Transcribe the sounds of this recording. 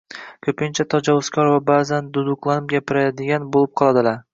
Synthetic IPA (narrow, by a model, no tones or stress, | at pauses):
kʲʰɵpɪnt͡ʃʰat̪ʰɒd͡ʒɒwʊzkʲʰɒɾvabaːzand̪ʊd̪ʊqlˠanɪmɡʲapʰɪɾad̪ɪɡʲanbolˠɪp̚qʰɒlˠad̪ɪlaɾ